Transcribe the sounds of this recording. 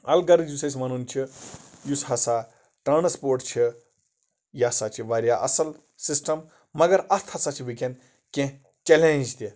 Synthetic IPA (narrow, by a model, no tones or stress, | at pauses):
ɐlɡɐɾd͡ʒusɐsʲmɐnunt͡ʃʰijusɦɐsaː | ʈɐnɐspoːɾʈ̚t͡ʃʰi | jɐsaːt͡ʃʰiʋɐɾʲjaʔɐ̰sɐl | sisʈɐmː | ɐɡɐɾɐst̪ʰɦɐsaːt͡ʃʰiʋiken | kẽ | t͡ʃelẽnd͡ʒt̪i